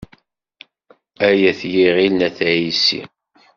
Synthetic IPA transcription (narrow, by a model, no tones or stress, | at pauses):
æjæθjiʁilnæθʕisḭ